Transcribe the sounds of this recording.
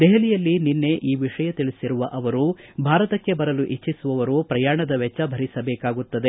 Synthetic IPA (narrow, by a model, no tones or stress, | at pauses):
d̪ɛɦɐlijɐlːininːe̞ʔiːʋiʂɐjɐt̪iɭisiɾuʋɐʔɐʋɐɾubʱaːɾɐt̪ɐkːe̞bɐɾɐluʔit͡ʃːisuʋɐʋɐɾupɾɐjaːɳɐd̪ɐʋɛt͡ʃːɐbʱɐɾisɐbɛːkaːɡut̪ːɐd̪e